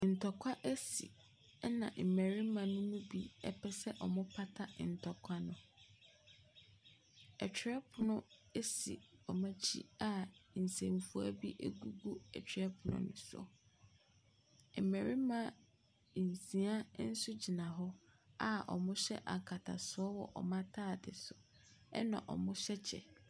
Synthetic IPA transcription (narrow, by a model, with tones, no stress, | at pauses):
n̩˨tʰɔ˨kʷʰa˦ʔe˦sḭ˨˦ | nã̰˨m̩˨me˨ɾi˦mã˨nʊ̃˦mʊ̃˦bi˦ɛ̰˦pʰɛ˦sɛ˦ʔɔ˨mʊ̃˦pʰa˦tʰa˦˨n̩˨tʰɔ˨kʷʰa˦nʊ̃˨ | ɛ˨t͡ɕᶣʰɾɛ˦pʰʊ˨nʊ̃˦e˦si˨ɔ˨mã˦t͡ɕʰḭ˦a˦˨n̩˨sẽ˨mfu˨a̰˦bi˦ʔḛ˦ɡu˦ɡu˦ɛ̰˨t͡ɕᶣʰɾɛ˦pʰʊ˨nʊ̰̃˦nʊ̰̃˨sɔ̰˨ | me˨ɾi˦mã˦˨ | n̩˨sĩ˨˦a˦n̩˦sʊ˦d͡ʑi˨nã˨ɦɔ˦ | a˦˨ɔ̰˨mʊ̃˦ɕɛ̰˦ʔa̰˨kʰa˨tʰa̰˨sʊ˨˦ɔ˦wɔ˨ʔɔ̰˨mã˦tʰaː˦˨dɪ˨sʊ˨ | ɛ̰˦nã̰˨ʔɔ̰˨mʊ̃˦ɕɛ˦t͡ɕʰɛ̰˨